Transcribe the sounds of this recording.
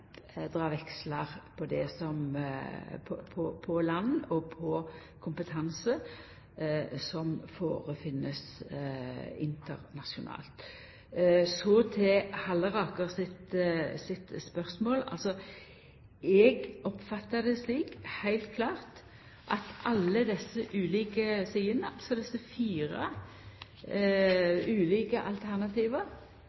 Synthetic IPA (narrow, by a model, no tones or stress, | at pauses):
d̪ʁɑːʋɛksləʁpʰɔd̪ɛsɔm | pʰɔpʰɔpʰɔlɑnːɔpʰɔ | kʰʊmpət̪ʰɑnsə | sɔmfoːʁəfɪnːəs | ɪnt̪əʁnɑʂʊnʔɑ̰ːlt̪ | sɔt̪ʰɛhɑlːəʁɑːkəʁsɪt̪sɪt̪spœʁsmoːlɑ̰lsɔ | ɛɡɔpfɑt̪ːəd̪ɛsliːkhæɪlt̪̚kʰlɑːʁt̪ | ʔɑt̪ʔɑlːəd̪ɛsːəʔʉːliːkəsiːənəɑlsɔd̪ɛsːəfiːʁɑ | ʉːliːkəʔɑlt̪ʰæʁnɑt̪ʰiːʋə